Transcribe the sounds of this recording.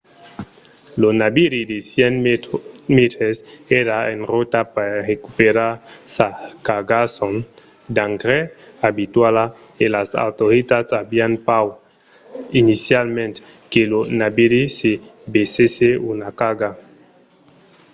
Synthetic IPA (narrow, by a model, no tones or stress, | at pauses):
lonabiɾid̪esjɛn | met̪ɾeseɾaenrot̪apaɾrekupeɾasakaɡason | d̪aŋɡɾeabit̪wala | elasa̰wt̪oɾit̪atsabianpaw | inisjalmẽnt̪ | kelonabiɾisebeseseunakaɡa